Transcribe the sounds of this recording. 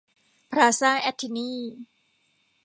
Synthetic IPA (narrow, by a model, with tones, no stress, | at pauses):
pʰɾaː˧saː˥˩ʔɛ˧˥t̪ʰːi˧niː˥˨